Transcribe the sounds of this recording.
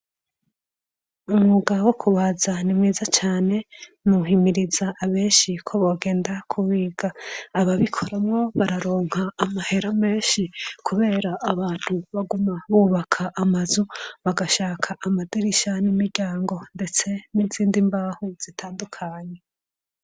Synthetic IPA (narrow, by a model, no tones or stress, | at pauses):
umŋuɡawokʰuβazanimŋiːzat͡ʃaːne̞nuɦimiɾizaʔːβe̞ːnʃikʰo̞βoɡe̞ːndakʰuβiːɡ̥aːβaβikʰo̞ɾamŋo̞βaɾaɾoːŋ̥haːmahe̞ɾame̞ːnʃikʰuβe̞ːɾaʔːβaːn̥huβaɡumaβuβakʰaʔːmazuβaɡaʃaːkʰaʔamadiɾiʃanimiɾɟaːŋɡo̞nde̞t͡se̞niziːndimbaːhuz̥itʰaːndukʰaɲe̞